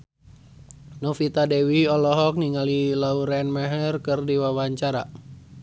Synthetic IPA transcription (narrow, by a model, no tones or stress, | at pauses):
nɔfit̪adɛwiɔlɔɦɔk̚niŋalilauɾɛnmɛɦərkɨrdiwawaɲt͡ʃaɾa